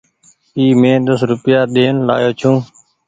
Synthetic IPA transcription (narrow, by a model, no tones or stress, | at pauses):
iːmẽːd̪əsɾʊpjaːɗ̪eːnla̰ːjoːt͡ʃʰũː